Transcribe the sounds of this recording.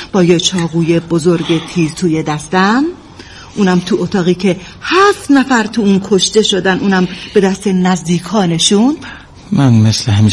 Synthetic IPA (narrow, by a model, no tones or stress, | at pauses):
b̥ɒːjet͡ʃʰɒːɣuːje̞bozo̞ɾɡe̞t̪ʰiːɾt̪ʰuːjed̪æst̪æm | ʔuːnæmt̪ʰuʔot̪ʰɒːɣiːcʰe̞ | hæft̪næfæɾt̪ʰuuːnkʰo̞ʃt̪e̞ʃo̞d̪ænuːnæmb̥e̞d̪æst̪enæzd̪iːkʰɒːne̞ʃun | mænmesleɦæmi